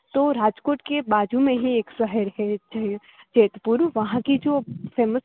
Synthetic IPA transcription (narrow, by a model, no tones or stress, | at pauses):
t̪oːɾaːd͡ʒkoːʈkebaːd͡ʒʱumẽɦieːksəɦəɾɦɛt͡ʃaɦ | t͡ʃeːt̪puɾʋɐɦãkid͡ʒoːfeːməs